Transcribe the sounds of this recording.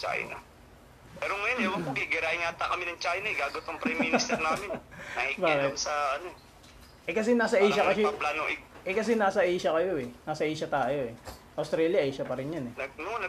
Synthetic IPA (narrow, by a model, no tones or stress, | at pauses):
t͡ʃa̰ːj̰nɐ̰ | pɛːɾoŋɐjonɛwɐoɡɪɡɪɾaːʔɪŋaːt̪ɐkɐmɪnɐŋt͡ʃaːjnɐɪɡaːɡot̪oŋpɾɐminɪst̪ɛɾnaːmɪnnɐibaaːkɪt̪nsɐʔɐno | ʔɛkɐsɛnaːsɐʔijʃɐkɐjɐɐplaːnoʔɪʔɛkɐs̬ɛnaːsɐʔeːʃɐkɐjo̞ʔɛnaːsɐʔiːʃɐt̪aːjo̞ɛʔɐwst̪ɾɛːljɐʔɛːʃɐpɐɾɪnjɐnɛnɐnonɐ